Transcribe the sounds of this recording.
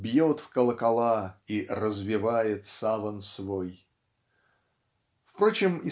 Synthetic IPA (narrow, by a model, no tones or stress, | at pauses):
bjot̪fkəlˠəkɐlˠairəzvʲɪvajɪt̪savənsvoj | fpɾo̞t͡ɕɪmɪ